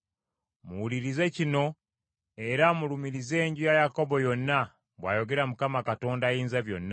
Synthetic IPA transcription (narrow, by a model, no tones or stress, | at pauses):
muwuliɾize̞cino̞ | e̞ɾamulumiɾize̞ːɲɟujajako̞bo̞jo̞nːa | βwa̰ːjo̞ɡe̞ɾamukamakato̞ːndaːjiːnzaβjo̞̰nːa